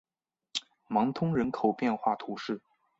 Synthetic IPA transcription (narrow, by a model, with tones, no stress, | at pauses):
mɑ˧˥ŋt̪ʰʊ˥ŋɻə˧˥nkʰo˨˩ʊpjɛ˥˧nxwa˥˩t̪ʰu˧˥ʂɻ̩˥˩